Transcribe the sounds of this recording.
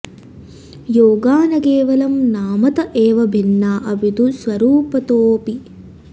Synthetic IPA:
joːɡaːnɐkeːʋɐlɐmnaːmɐt̪ɐʔeːʋɐbʱinːaːʔɐbid̪usʋɐɾuːpɐt̪oːpi

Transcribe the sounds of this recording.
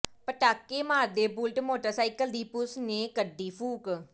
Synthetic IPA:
pəʈaːkːeːmaːɾd̪eːbʊlʈmoːʈəɾsaːɪkəld̪iːpʊsneːkəɖːiːpʰuːk

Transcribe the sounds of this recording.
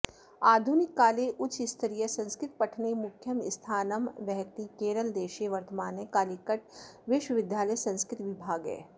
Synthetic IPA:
aːd̪ʱunɪkːaːleʔʊt͡ʃɪst̪ʰɐɾijəsɐ̃nskɾɪt̪̚pɐʈʰnemʊkʰːjəmɪst̪ʰaːnəmʋɛɦt̪ikeːɾəld̪eːʃeʋɐɾt̪əmaːnekaːlikəʈʋɪʃwəʋɪd̪ʱjaːləjsɐ̃nskɾɪt̪ʋɪbʱaːɡɦɛ̰ː

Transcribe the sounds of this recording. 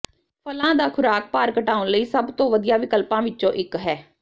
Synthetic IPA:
pʰəlãːd̪aːkʰʊɾaːk̚paːɾkəʈaːʊnləiːsəbt̪õːʋəd̪ɪjaːʋɪkəlpãːʋɪt͡ʃːʃõːʔɪkɦɛː

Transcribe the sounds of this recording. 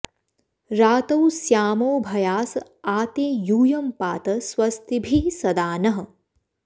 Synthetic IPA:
ɾaːt̪ɐwsjaːmoːbʱɐjaːs | aːt̪eːjuːjɐmpaːt̪ɐswɐst̪ibʱiːsɐd̪aːnɐɦɐ

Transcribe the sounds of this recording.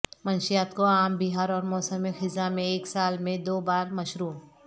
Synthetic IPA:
mɐnʃijaːt̪koaːmbiɦaːɾɔːɾmɔːsəmixɪzamẽeːksaːlmẽd̪oːbaːɾmɐʃɾuː

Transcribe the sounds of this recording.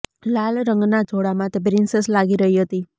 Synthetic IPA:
lalɾəŋɡnad͡ʒʱoɽamãt̪ebɾinsəslaɡiɾəɦiɦət̪i

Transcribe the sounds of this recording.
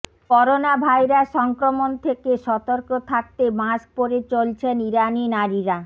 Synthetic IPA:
kɔɾonabʱaeɾaʃɔŋkɾomont̪ʰekeʃɔt̪oɾkot̪ʰak̚t̪emaʃpoɾet͡ɕolt͡ɕʰeniɾaninaɾiɾa

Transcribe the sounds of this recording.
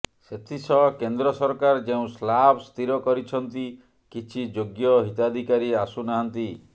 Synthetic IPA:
set̪ʰisɔkend̪ɾɔsɔɾkaɾd͡ʒeũslabst̪ʰiɾɔkɔɾit͡ʃʰɔnt̪i | kit͡ʃʰid͡ʒoɡjɔɦit̪ad̪ʱikaɾiasunaɦɔnt̪i

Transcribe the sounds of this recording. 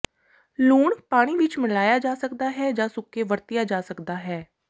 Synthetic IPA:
luːɳpaːɽ̃iːʋɪt͡ʃmɪlaːjaːd͡ʒaːsəkd̪aːɦɛːd͡ʒaːsʊkːeːʋəɾt̪ɪjaːd͡ʒaːsəkd̪aːɦɛː

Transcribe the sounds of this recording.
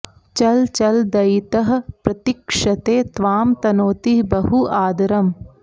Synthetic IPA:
t͡ʃɐlt͡ʃɐld̪ɐjt̪ɐɦɐpɾɐt̪ikʂɐt̪eːt̪ʋaːmt̪ɐnoːt̪ibɐɦuʔaːd̪ɐɾɐm

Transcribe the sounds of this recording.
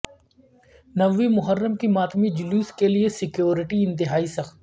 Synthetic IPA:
nɐʋːimʊɦəɾːəmkimaːt̪mid͡ʒʊluːskeliesɪkjoːɾɪʈiɪ̃nt̪ɪɦaːisɐxt̪̚

